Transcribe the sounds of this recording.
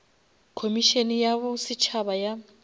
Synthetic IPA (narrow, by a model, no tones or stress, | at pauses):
kʰomiʃenijaβʊsɪt͡ʃʰabaja